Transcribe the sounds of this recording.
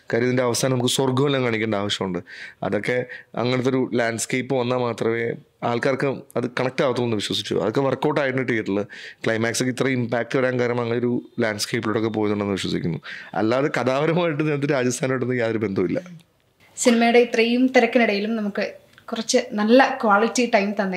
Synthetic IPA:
kaːɾɐnindeɐʋɐsʰaːnɐmukːɨsorɡɐmelːaːmkɐɳikʲːuːɳɖaːʋɐɕjɐmuɳɖɨɐ̰ðo̞kːe̞ɐ̰ŋːɐnet̪̬ːoɾulaːɳɖskejpːɨʋɐnːaːmaːt̪rɐme̞ː | aːlkaːrkːɨɐðɨkɐɳɐk̚ʈaːʋɐt̪ːulːɭenːɨʋiɕwɐsit͡ɕːṵɐðokːe̞ʋɐrkːo̞ːʈːaːjʈːɐɳːiʈːɨeʈːuɭːɐkɭɐjmaːksokːeit̪rɐimpaːk̚ʈɨʋɐɾaːnkaːɾjɐmaɐŋːɐɭeoɾulaːɳɖskejpːiloɽo̞kːe̞p̬oːjunːuɳɖenːɨʋiɕwɐsikʲːunːuɐ̰lːaːðekɐðaːʋɐɾɐmaːjiʈːɨninːɐt̪̬ːiɾaːd͡ʑɐst̪ʰaːnoɽːenːɨjaːðɐɾube̞nd̪ɐmilːɐ̰ | sinɐmɐjuɽeit̪rijumt̪iɾɐkːɐniɽɐjilumnɐmukːɨ | kurɐt͡ɕːɨnɐlːɐkʋaːɭitːiʈɐjmt̪ɐnːe

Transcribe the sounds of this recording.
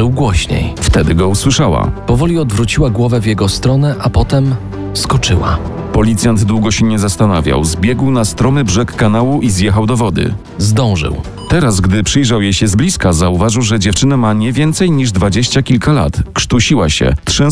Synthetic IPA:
ɘwɡwɔɕɲḛjft̪ɛd̪ɘɡɔuswɘʂawa̰pɔvɔlʲiɔd̪vɾut͡ɕiwaɡwɔvɛvjɛɡɔst̪ɾɔnɛʔapɔt̪ɛm | skɔt͡ʂɘwa̰ | pɔlʲit̪sʲjand̪d̪wuɡɔɕɛɲɛzast̪anavʲja̰wzbʲjɛɡwnast̪ɾɔmɘbʐɛkːanawuʔizjɛxawd̪ɔvɔd̪ɘ̰ | zd̪ɔ̃w̃ʐɘ̰w | t̪ɛɾasɡd̪ɘpʂɘjʐawjejɕɛzblʲiskazauvaʐɘwʐɛd͡ʑɛft͡ʂɘnamaɲɛvʲjɛnt̪sɛjɲiʐd̪vad͡ʑeɕt͡ɕakʲilkala̰t̪kʂt̪uɕiwaɕɛ̰t̪ʂɛ

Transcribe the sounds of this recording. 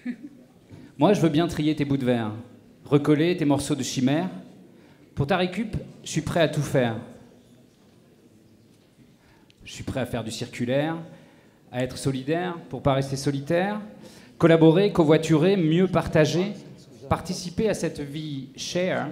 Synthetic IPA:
mwaʒəvøbjɛ̃t̪χijet̪ebud̪əvɛʁ | ʁəkɔlet̪emɔʁsod̪əʃimɛːʁ | puʁt̪aʁekʲypʒəsɥipχɛat̪ufɛːʁ | ʒəsɥipχɛafɛʁd̪ysiʁkʲylɛʁ | aɛt̪χə̥sɔlid̪ɛʁpuʁpaʁɛst̪esɔlit̪ɛːʁkɔlabɔʁekɔ̃vwat̪yʁemjøpaʁt̪aʒe | paʁt̪isipeasɛt̪viʃɛʁ

